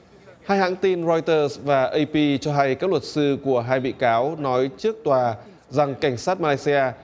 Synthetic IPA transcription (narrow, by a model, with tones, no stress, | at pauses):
haː˧jha̰ː˧˥ŋt̪i˧nzɔ˧jt̪əː˧svaː˨˩ʔə˧jpi˧t͡ɕɔ˧ɦa˧jkaː˦˥k̚lwə˨˩t̚sɨ˧ku˧˩əɦaː˧jɓḭ˧˨kaː˨˦wnɔ˨˦jt͡ɕɨ˦˥ək̚t̪waː˨˩ | za˨˩ŋka˧˩jŋ̟saː˦˥t̚maː˧laː˧jsi˧ʔaː˧